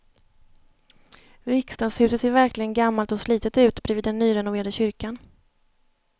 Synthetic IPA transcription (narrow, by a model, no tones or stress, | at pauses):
vɪkst̪aːshʉ̟ːsət̪seːɾvæɾklɪɡənɡamːalt̪ɔsliːt̪ət̪ʉ̟ːt̪bɾɛviːd̪ɛnːyːɾɛnʊveːɾad̪əɕʏɾkan